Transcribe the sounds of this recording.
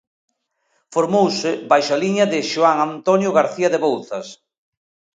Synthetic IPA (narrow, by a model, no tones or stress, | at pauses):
foɾmowsɪbajʃaliɲɐðɪʃoaŋant̪onjʊɣaɾθiɐðeβowθɐs